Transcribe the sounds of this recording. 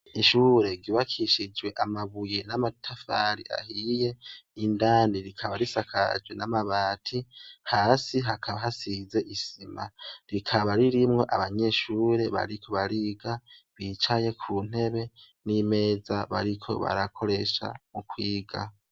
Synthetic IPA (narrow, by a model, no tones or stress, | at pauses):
iʃuːɾe̞ɡiβakʰiʃid͡ʒɡwe̞ʔamaβujenamatʰafaɾḭa̰hije̞indaːndiɾikʰaβaɾisakʰa̰d͡ʒwenamaβaːtʰihaːsiɦakʰaβaɦasize̞ʔisimaɾikʰaβaɾiɾimŋe̞ʔaβaɲe̞ːʃuːɾe̞βa̰ɾikʰo̞βaɾiɡaβit͡ʃaje̞kʰuːn̥e̞βe̞ | nime̞ːzaβa̰ɾikʰo̞̰βa̰ɾakʰo̞ɾe̞ʃa̰mukwiːɡa